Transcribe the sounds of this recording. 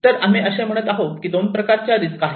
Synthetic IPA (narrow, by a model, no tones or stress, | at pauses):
t̪əɾam̤iəɕẽm̤əɽ̃ət̪aɦot̪kiːd̪onpɾəkaɾt͡ɕjad̪it͡skaɦe